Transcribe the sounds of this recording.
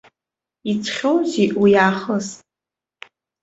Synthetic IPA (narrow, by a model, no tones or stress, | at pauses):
it͡sʷʰχʲowziʔujaːχəs